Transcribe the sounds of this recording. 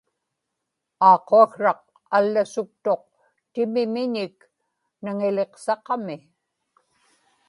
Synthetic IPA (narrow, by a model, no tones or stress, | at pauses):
ɑːqːoaxrɑq̚ | alːasʊk̚t̪o̞q̚ | t̪ɪmɪmɪɲɪk | naŋɪle̞qsɑqɑmɪ